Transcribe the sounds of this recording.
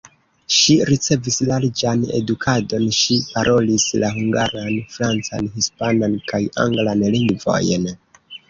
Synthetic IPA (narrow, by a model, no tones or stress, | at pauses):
ʃiɾit͡se̞vislalid͡ʒane̞̰dukʰado̞nʃipaɾʔo̞lislaɦuŋɡaɾanfɾant͡sa̰nhispanankaja̰ŋɡlanliŋɡvo̞̰jn